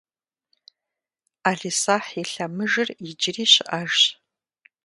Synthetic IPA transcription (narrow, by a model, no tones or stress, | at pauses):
aːɮisaːħiɬɐmɨʒɨrid͡ʒɪriːɕɪʔaʒɕ